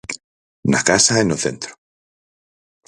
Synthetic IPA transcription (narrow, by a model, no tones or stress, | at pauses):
na̰kasaenoθḛnt̪ɾo̥